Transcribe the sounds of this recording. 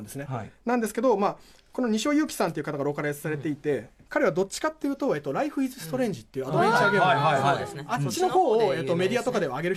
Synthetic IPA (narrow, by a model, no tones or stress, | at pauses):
nd̪e̞sɨnenãnd̪esɨ̥ke̞d̪o̞maː | ko̞no̞ɲ̟iɕo̞ːjɯ̟ːkʲi̥sãnt̪eiɯ̟kat̪aɡaɾo̞ːkaɾasɨ̥saɾe̞t̪e̞it̪e̞ | kaɾe̞β̞ad̪o̞t͡ɕi̥kat̪ːe̞jɯ̟ːt̪o̞eːt̪ːoɾaiɸɯ̟izɨsɨ̥t̪o̞ɾẽ̞ɲ̟d͡ʑit̪ːe̞iɯ̟ad̪obẽ̞ɲt͡ɕaːɡe̞ːɯ | at͡ɕino̞ho̞ːoe̞ːt̪ːo̞me̞d̪ʲiat̪o̞kad̪e̞βaːɡe̞ɾɯ̟